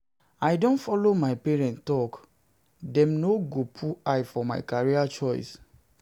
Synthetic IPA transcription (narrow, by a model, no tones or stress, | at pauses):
aɪdõnfɔlomaɪpɛɹɛ̃nttɔk | dɛ̃mnoɡopʰuajfɔma̰ɪkaɹiat͡ʃɔɪs